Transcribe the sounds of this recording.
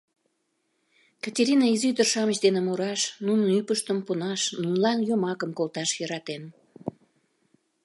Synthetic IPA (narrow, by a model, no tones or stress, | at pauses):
kɑtʲeɾʲinɑizyd̪ərʃɑmət͡ɕd̪enemoɾɑʃnunənypəʃt̪əmponɑʃnunlɑnjomɑkəmkolt̪ɑʃjə̆ɾɑt̪en